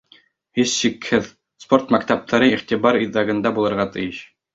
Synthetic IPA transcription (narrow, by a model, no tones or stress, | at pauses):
hisɕikhɘð | spo̞rt̪mækt̪æp̚t̪ʰɑɾɤiχt̪iβɑɾiðːɑɡɤ̆nd̪ɑbulˠɤ̆ɾʁɑt̪ɘ̆jɘɕ